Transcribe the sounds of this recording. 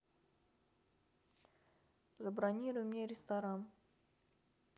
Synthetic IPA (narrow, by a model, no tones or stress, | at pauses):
zəbɾɐnʲiɾʊjmnʲeɾʲɪst̪ɐɾan